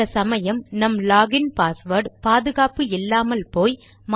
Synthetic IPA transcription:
ɐsɐmɐjɐmnɐmlaːɡɪnpaːsʋɐɾɖpaːðɯɣaːpɯɪlːaːmɐlpoːj | m

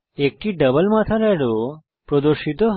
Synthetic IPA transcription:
ek̚ʈiɖəbəlmãt̪ʰɐɾɛɽo | pɾod̪oɾʃit̪oɦ

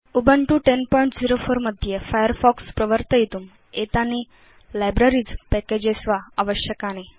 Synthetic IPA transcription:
ubʱəɳʈuːʈenpɔjɳʈd͡ziɾofoɾməd̪ʱːjefajəɾfɔkspɾəʋəɾt̪əjet̪uːm | et̪ani | lajbɾaɾiːd͡zpɛked͡ʑesʋaaʋəɕjəkañe

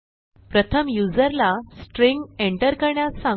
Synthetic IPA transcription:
pɾət̪ʰəmjud͡zəɾlasʈɾĩŋɡeɳʈəɾkəɾɳjasã

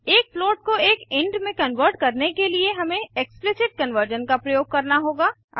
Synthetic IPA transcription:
eːk̚floːʈ̚koeːkɪ̃ɳɖmẽkɐnʋəɾʈ̚kɐɾnekelieɦɐmẽeksplɪsɪʈ̚kɐ̃nʋəɾd͡ʒənkapɾɐjoːɡ̚kɐɾnaɦoːɡa̰ː

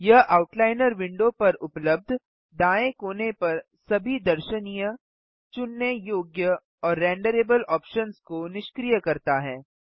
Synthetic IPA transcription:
jɐɦʔaːʊʈlaːɪnəɾʋɪ̃ɳɖopɐɾʊpləb̚d̪ʱ | d̪aːẽkoːnepɐɾ | sɐbʱid̪ɐɾʃənijə | t͡ʃʊnːəjoːɡjə | ɔːɾːɛ̃ːɳɖəɾeːbəlɔːpʃənskonɪʃkɾijəkɐɾt̪aɦɛː

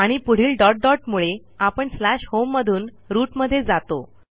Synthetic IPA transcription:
aɽ̃ipuɽ̤iːlɖɔʈ̚ɖɔʈmuɭe | apəɳslaɕhomːəd̪ʱuːn | ɾuːʈməd̪ʱːjed͡zat̪o

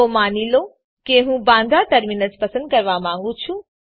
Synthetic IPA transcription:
omaːnilo | keɦũbãːnd̪ʱaʈɐɾmiːnəspɐsə̃nd̪̚kɐɾʋamãːŋɡũt͡ʃʰũ

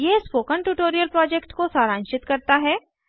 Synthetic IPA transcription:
jespoːkəɳʈuːʈoːɾijəlpɾɔːd͡ʒekʈkosaːɾãːnt͡ʃɪt̪kɐɾt̪aɦɛː

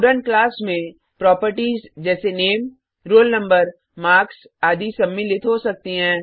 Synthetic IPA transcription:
ɖənklaːsmẽ | pɾɔːpəɾʈiːzd͡ʒɛːseneːm | ɾoːlnɐ̃mbəɾ | maːks | aːd̪isɐmːilɪt̪ɦosɐk̚t̪iɦɛ̃ː

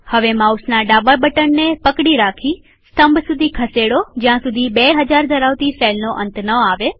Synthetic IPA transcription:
həʋemausnaɖababəʈənːepəkɽiɾakʰi | st̪əmbsud̪ʱikʰəseɽod͡ʒjãsud̪ʱibeɦəd͡ʒaɾd̪ʱəɾaʋt̪isɛlnoʔə̰nt̪nəaʋe

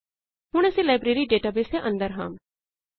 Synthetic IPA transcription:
hʊɽ̃ɛːsĩlaːɪbɾeːɾiɖeːʈaːbeːseʔə̃nd̪əɾɦa̰ːm

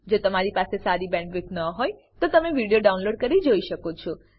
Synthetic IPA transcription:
d͡ʒot̪əmaɾipasesaɾibɛ̃ɳʈʋɪknəɦoj | t̪ot̪əmeʋiɽijoɖaunloɖ̚kəɾid͡ʒoiʃəkot͡ʃʰɔ

